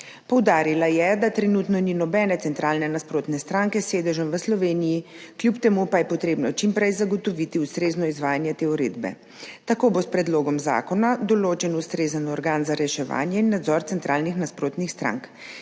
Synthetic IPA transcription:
pɔwd̪aːɾilajɛd̪at̪ɾɛnut̪nɔninɔbɛːnɛt̪sɛnt̪ɾaːlnɛnaspɾoːt̪nɛst̪ɾaŋkɛsʋeːd̪əʒəmʋəslɔʋeːnijikljupt̪ɛmupajɛpɔt̪ɾeːbnɔt͡ʃimpɾɛjzaɡɔt̪ɔʋit̪iust̪ɾeːznɔizʋaːjanjɛt̪eːuɾḛːd̪bɛ̰ | t̪akoːbospɾɛd̪loːɡɔmza̰ːkɔnad̪ɔloːt͡ʃɛnust̪ɾeːzənɔɾɡaːnzaɾɛʃɛʋa̰ːnjɛinːad̪zɔɾt̪sɛnt̪ɾaːlnixnaspɾoːt̪nixst̪ɾa̰ŋk

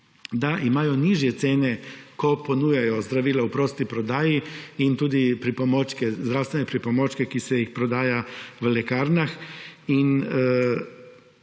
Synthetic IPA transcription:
d̪aʔimajɔniʒjɛt̪seːnɛkoponuːjajɔzd̪ɾaʋiːlaupɾost̪ipɾɔd̪aːjiint̪uːd̪ipɾipomoːt͡ʃkɛzd̪ɾawst̪ʋenɛpɾipomot͡ʃkɛkisɛjixpɾod̪aːjaʋlɛkaːɾnaxin

